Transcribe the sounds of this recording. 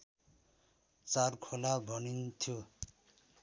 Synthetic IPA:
t͡sarkʰolabʱʌnint̪ʰjo

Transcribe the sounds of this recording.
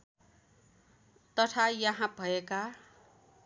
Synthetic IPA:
t̪ʌʈʰajʌɦãbʱʌeka

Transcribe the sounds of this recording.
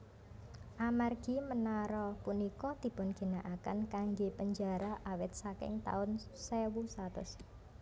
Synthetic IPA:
ʔamarɡ̥i̤mənaɾɔpunikɔd̪̥i̤b̥ɔ̤nɡ̥i̤naʔakankaŋɡepəɲd͡ʒaɾaʔawɪt̪̚sakɪ̰ŋt̪a̰ʊnsɛwusat̪ʊ̰s

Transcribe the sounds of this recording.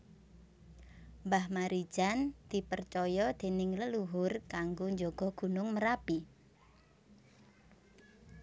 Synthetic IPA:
mbahmaɾi̥ʒ̥and̪̥i̤pərt͡ʃɔjɔd̪̥e̤nɪŋləluɦʊrkaŋɡoɲd͡ʒoɡ̥ɔ̤ɡ̥ṳnʊŋməɾapi

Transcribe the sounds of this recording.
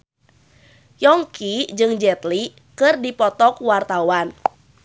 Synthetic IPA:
jɔŋkid͡ʒɨŋd͡ʒɛt̪li | kɨrdipɔt̪ɔkwart̪awan

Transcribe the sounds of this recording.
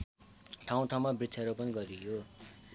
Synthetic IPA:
ʈʰaw̃ʈʰaw̃mabrit͡sʰaɾopʌniɡʌɾijo

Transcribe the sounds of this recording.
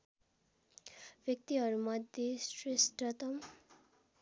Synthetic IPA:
ʋjʌk̚t̪iɦʌɾumʌd̪ʱjesresʈʌt̪ʌm

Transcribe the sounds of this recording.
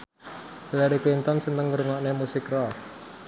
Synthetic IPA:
lɛɾiklint̪ɔnsənt̪əŋɡəɾuŋɔʔnemusɪkrɔ

